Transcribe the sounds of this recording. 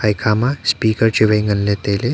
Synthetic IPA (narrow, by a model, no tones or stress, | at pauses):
ajkʰamãspiːkəɾt͡ɕeʋəĩŋɡənlẽt̪ele